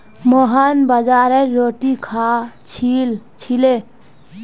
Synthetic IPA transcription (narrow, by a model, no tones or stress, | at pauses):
mɔɦanbəd͡ʒaɾeɾːoʈikʰat͡ʃʰilt͡ʃʰile